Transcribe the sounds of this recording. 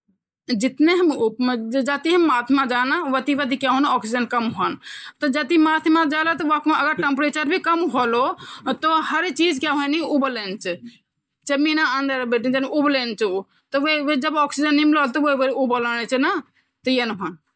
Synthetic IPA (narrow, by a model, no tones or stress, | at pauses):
d͡ʒit̪neɦəmupd͡ʒat̪iɦəmːat̪ʰmad͡ʒanaʋət̪iʋət̪ikaɦonɔksid͡ʒənkəmɦont̪ɔd͡ʒət̪imat̪ʰmad͡ʒalɔt̪ɔʋakmeəɡəɾʈempɾet͡ʃəɾbʱikəmɦolot̪ɔhəɾt͡ʃid͡ʒkaɦoniubəlent͡ʃʰɛ | t͡ʃəminaənd̪əɾbeʈind͡ʒənublent͡ʃʰu | t̪ɔʋeʋed͡ʒəbɔksid͡ʒənːimlolt̪ɔʋoʋəɾiubələnɛt͡ʃʰna | t̪ɔjenɦon